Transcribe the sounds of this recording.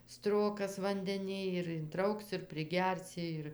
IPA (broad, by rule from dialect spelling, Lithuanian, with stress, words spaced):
ˈstroːkɐs ʋɐnʲdʲɛˈnʲɪj ɪr ɪnˈtrɐʊks ɪr pʲrʲɪˈɡʲɛrʲsʲɪ ˈɪr